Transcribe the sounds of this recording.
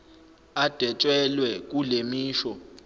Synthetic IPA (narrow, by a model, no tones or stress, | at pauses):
ad̥ʱɛt͡ʃʼwɛlwɛk̬ʼulemiːʃɔ